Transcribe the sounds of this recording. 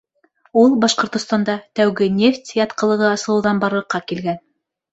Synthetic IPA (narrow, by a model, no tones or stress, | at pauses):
ulˠbɑʃqŏɾt̪ŏst̪ɑnd̪ɑt̪æwɡɘnʲeftʲjɑt̪qɤ̆lˠɤ̆ʁɤɑsɤ̆lˠɤwðɑnbɑɾɤ̆qːɑkilɡæn